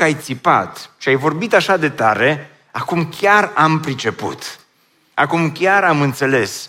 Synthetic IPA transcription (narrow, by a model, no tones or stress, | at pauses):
ajt̪sipa̰t̪ʃiajvo̞rbit̪aʃad̪e̞t̪aɾe̞ | akumkʲjarampɾit͡ʃe̞pṵt̪ | a̰kumkʲaɾamɨnt̪se̞le̞s